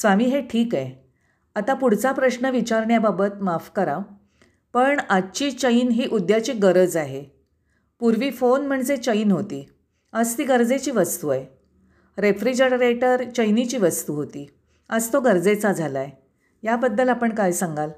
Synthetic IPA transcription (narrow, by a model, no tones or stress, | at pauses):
sʋamiːɦeʈʰiːke | at̪apuɽ̤t͡sapɾəɕnəʋit͡ɕaɾɳjababət̪mafkəɾa | pəɳat͡ɕiːt͡ɕəinɦiːʔud̪jat͡ɕiːɡəɾəd͡zaɦe | puɾʋiːfonm̤əɳd͡zet͡ɕəinɦot̪iː | əd͡zt̪iːɡəɾd͡zet͡ɕiːʋəst̪uaj | ɾefɾid͡ʑəɽɾeʈəɾt͡ɕəjnit͡ɕiːʋəst̪uɦot̪iː | əd͡zt̪oɡəɾd͡zet͡sad͡zʱalaj | jabəd̪ːəlapəɳkajsəŋɡal